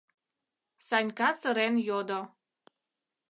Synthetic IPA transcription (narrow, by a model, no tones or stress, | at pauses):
sɑnʲkɑsə̆ɾenjod̪o